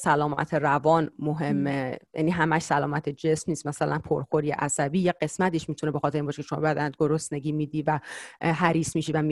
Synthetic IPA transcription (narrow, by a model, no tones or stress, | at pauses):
sælɒːmæ̰t̪ʰeɾævɒːnmoɦe̞mːejæ̰ːniɦæmæʃsælɒːmæt̪ʰed͡ʒesmniːst̪mæsælænpʰoɾxoɾjeʔæsæbiːjeɢe̞smæt̪iʃmit̪ʰunebexɒt̪eɾimbɒʃekʰeʃo̞mɒ̰bæd̪ænd̪̚ɡoɾost̪ne̞ɟiːmiːd̪iːvæɦæɾiːsmiʃiːvæm